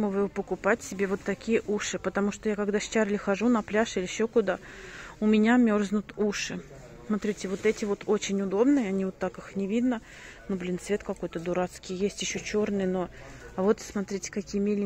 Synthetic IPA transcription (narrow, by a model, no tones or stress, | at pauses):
məvɨpəkʊpatʲsʲɪbʲe̞vo̞t̪ːɐkʲijəʔuʂɨpət̪ɐmuʂt̪ojakɐɡd̪ast͡ɕarlʲɪxɐʐunɐplʲaʂilʲɪɪɕːo̞kʊd̪aʊmʲɪnʲamʲo̞rznʊt̪uʂɨ | smɐt̪ɾʲitʲɪvo̞t̪ɛtʲɪvo̞t̪o̞t͡ɕɪnʲʊd̪o̞bnɨjəɐnʲivot̪ːakɨxnʲɪvʲid̪nə | nublʲint̪svʲe̞t̪kɐko̞jt̪əd̪ʊɾat̪skʲɪjjesʲtʲjɪɕːot͡ɕo̞rnɨjno | ɐvo̞t̪smɐt̪ɾʲitʲɪ̥kɐkʲijəmʲelʲɪ